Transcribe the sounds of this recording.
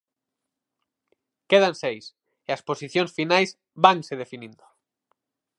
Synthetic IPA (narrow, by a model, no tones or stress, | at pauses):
keð̞ansejs | easposiθjonsfinajz | baŋseð̞efinĩnd̪o